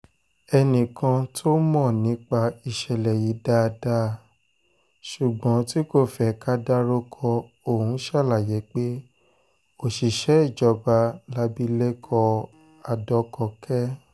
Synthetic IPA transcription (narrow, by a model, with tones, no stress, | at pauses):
ɛ˧nĩ˨kʰã˧tʰo˦mɔ̃˦˨nĩ˨˦k͡pa˧i˨ʃɛ˨lɛ˨ji˨˦da˦˧da˦˨ | ʃu˨ɡ͡bɔ̃˨˦ti˦ko˦˨fɛ˦ka˦da˦ɾo˦kʰɔ˧ | o˦˨hũ˨˦ʃa˦˨la˦˨je˨˦k͡pe˦ | o˦˨ʃi˨ʃɛ˨˦i˦˨d͡ʒɔ˨˧ba˧la˧bi˦le˦kʰɔ˧ | a˨dɔ˧˦kɔ˧kʰɛ˦